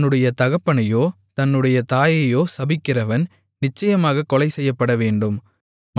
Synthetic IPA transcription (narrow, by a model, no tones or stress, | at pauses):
nːɯɽɐjɐt̪ɐɣɐpːɐɳɐjoː | t̪ɐnːɯɽɐjɐt̪aːjɐjoːsɐbɪkːɪrɐʋɐn | nɪt͡ʃːɐjɐmaːɣɐkːɔlɐɪsɛjːɐpːɐɽɐʋeːɳɖɯm | m